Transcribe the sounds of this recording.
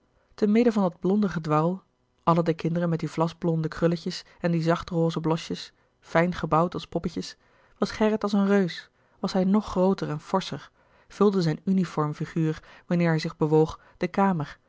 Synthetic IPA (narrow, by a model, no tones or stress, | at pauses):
təmɪdəvɑndɑd̚blɔndəχədʋɑlˠ | ʔɑlədəkɪndərəmɛt̚divlɑzblɔndəkrʏləcəs | ɛndizɑχtroːzəblɔʃjəs | fɛjnχəbɑwtɑlˠspɔpəcəs | ʋɑsχɛrətɑlˠsənrøɥs | ʋɑsɦɛjnɔχːrowtəɹɛnv̥ɔɹsəɹ | v̥ɵlˠdəzɛjnynifɔɹmfiχyːɹʋɑnɪːɹɦɛjzɪχbəʋowχ | d̥əkaːməɹ